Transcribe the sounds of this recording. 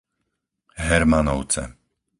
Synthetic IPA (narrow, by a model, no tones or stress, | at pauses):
ɦɛɾmanɔʊt͡sɛ̰